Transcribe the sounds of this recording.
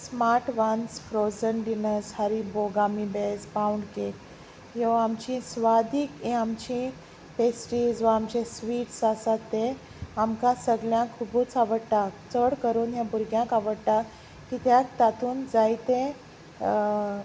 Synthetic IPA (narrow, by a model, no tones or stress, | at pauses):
smaɾʈʋansfɾozənɖinəshaɾiboɡamibespawɳɖkek | joamt͡ɕĩsʋad̪iːkẽamt͡ɕĩ | pesʈid͡zʋaːmt͡ɕesʋiːʈsasat̪ːe | amkãsəɡljãkʰːubũt͡saʋəɽt̪at͡səɽkəɾuːnjãbuɾɡjãkaʋəɽt̪a | kit̪jakt̪at̪uːnd͡zajt̪ẽ